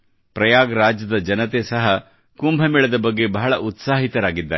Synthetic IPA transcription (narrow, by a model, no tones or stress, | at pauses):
pɾɐjaːɡɐɾaːd͡ʒjɐd̪ɐd͡ʒɐnɐt̪̬esɐɦɐ | kumbʱɐmiɭɐd̪ɐbɐɡːe̞bɐɦɐɭɐʔut̪saːɦit̪ɐɾaːɡid̪ːa̰ːɾe